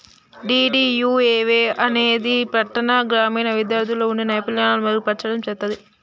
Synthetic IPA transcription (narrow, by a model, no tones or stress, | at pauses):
ɖiːɖijuːeːʋeːɐneːd̪ipɾɐʈːɐnaɡɾaːmiːnɐʋid̪jaːɾt̪ʰiloːunːɐnɐjpɐljaːnaːlɐmɐɾpɐʈt͡ʃːɐɽɐmt͡ʃɛt̪ːɐd̪i